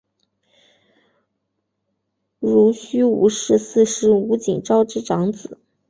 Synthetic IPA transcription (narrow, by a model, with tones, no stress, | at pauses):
ɻu˧˥ɕy˥ṵ˧˥ʂɻ̩˥˧sɹ̩˥˧ʂɻ̩˥˩u˧˥t͡ɕḭ˨˩ŋʈ͡ʂɑ˥ʊʈ͡ʂɻ̩˥ʈ͡ʂɑ˧˥ŋt͡sɹ̩˨˩˦